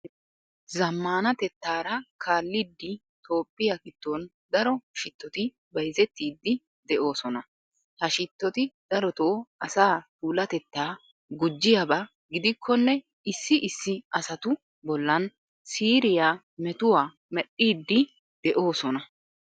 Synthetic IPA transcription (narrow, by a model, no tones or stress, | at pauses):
zɐmːaːnɐt̪ɛt̪ːaːɾɐkʰaːlːiːd̪ːɪ | t̪ʰo̞ːpʼːɪjakɪt̪ːo̞ːn | d̪ɐɾɔʃɪt̪ːɔt̪ɪ | bɐjzɛt̪ːiːd̪ːɪ | d̪ɛʔo̞ːsɔnɐ | hɐʃɪt̪ːɔt̪ɪd̪̥ɐɾɔt̪oːɐsaːt̪uːlɐt̪ɛt̪ːaː | ɡʊd͡ʒːɪjɐbɐ | ɡɪd̪ɪkʰːɔnːɛ | ɪsːɪʔɪsːɪʔɐsɐt̪ʊ | bɔlːɐn | siːɾɪjaː | mɛt̪ʊwaː | mɛɗːiːd̪ːɪ | d̪̥ɛʔo̞ːsɔnɐ